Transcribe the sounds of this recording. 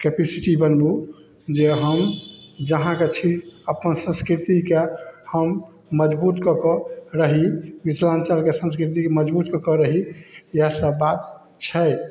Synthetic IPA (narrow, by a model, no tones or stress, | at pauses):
kepʰisiʈibənbu | d͡ʒeɦəmd͡ʒəɦãket͡ʃʰiəpənsə̃nskɾit̪ikehəmː | əd͡ʒbut̪kəkɔɾəɦimit̪ʰlant͡ʃalkesə̃nskɾit̪̬ikeməd͡ʒbut̪kəkɔɾəɦijasəbbat̪ | t͡ʃʰɛ